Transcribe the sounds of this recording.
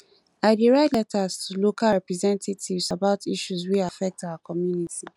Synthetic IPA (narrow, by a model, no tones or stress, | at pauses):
aɪdiɹaɪdlɛtastʰulokaɹɛpɹɛzɛ̃ntativsabaʊtʰiʃuswiafɛk̚tawakɔmjuniti